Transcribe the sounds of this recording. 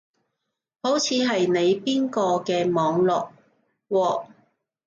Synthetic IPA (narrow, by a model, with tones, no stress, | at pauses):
ho˨˥wt͡sʰiː˨˧ɦɐ˨jne˨˧jpiː˥nkɔː˧kɛː˧mɔː˨˧ŋlɔː˨k̚ | wɔː˧